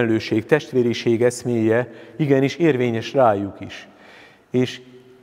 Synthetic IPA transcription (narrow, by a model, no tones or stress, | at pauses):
lløːʃeːkt̪ɛʃt̪ʋeːɾiʃeːɡɛsmeːjɛiɡɛniʃeːrveːɲɛʃraːjukiʃ | eːʃ